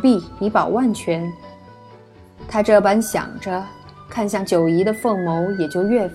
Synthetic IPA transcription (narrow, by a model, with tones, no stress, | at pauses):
pi˥˩i˧˥pɑ˨˩ʊwa˥˩nt͡ɕʰɥɛ˧˥n | t̪ʰa˥ʈ͡ʂɤ˥˩pa˥nɕjɑ̰˨˩ŋʈ͡ʂə˦ | kʰa˥˧nɕjɑ˥˩ŋt͡ɕjo˨˩ʊi˧˥d̪ə˧fɤ˥˩ŋmo˧˥ʊjɛ˨˩t͡ɕjo˥˧ʊɥɛ˥˩f